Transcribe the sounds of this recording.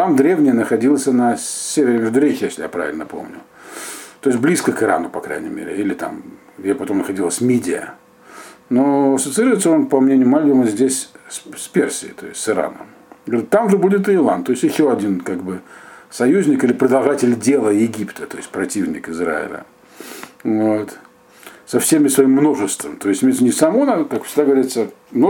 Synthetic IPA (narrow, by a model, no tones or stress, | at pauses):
t̪amd̪ɾʲe̞vnʲɪjənəxɐdʲilˠsʲənɐsʲevʲɪɾʲɪmʲɪvd̪ʊɾʲexʲɪjesʲlʲɪja̰pɾa̰vʲɪ̰lʲnəpo̞̰mnʲʊ | t̪ojɪsʲtʲblʲiskəkɨɾa̰nʊpɐkɾa̰jnʲɪ̰mʲḛɾʲɪ̰ilʲɪt̪a̰m | ɡdʲepɐt̪o̞mnəxɐdʲilˠəsʲmʲedʲɪə̰ | noɐsət̪sɨiɾʊvɪt̪səo̞npɐmnʲenʲɪjʊmalʲdʲɪəməzʲdʲesʲsʲpʲersʲɪɪt̪o̞̰jɪ̰stʲsɨɾa̰nə̰m | ɡəvɐɾʲɪt̪ːamʐɨbudʲɪt̪̬ɨːlˠa̰nt̪o̞ɪsʲtʲjɪɕːo̞ɐdʲinkaɡbɨsɐjuzʲnʲɪkilʲɪpɾəd̪ɐlˠʐatʲɪlʲdʲelˠəjɪɡʲipt̪ət̪o̞jɪstʲpɾɐtʲivnʲɪ̰kɪzra̰ɪ̰lʲə̰ | vot̪ | sɐfsʲemʲɪsvɐimːno̞ʐɨst̪vəmt̪o̞ɪsʲtʲmʲet̪snʲɪsɐmonəkakfsʲɪɡd̪aɡəvɐɾʲit̪səno